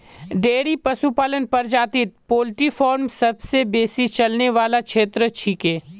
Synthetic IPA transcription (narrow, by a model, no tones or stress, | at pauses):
ɖeːɽipɐsupaːlənpɐɾd͡ʒaːt̪ɪt̪̚poːlʈifɔːɾmsɐbsebeːsit͡ʃɐlneʋaːlakʃʰeːt̪ɾət͡ʃʰiːkeː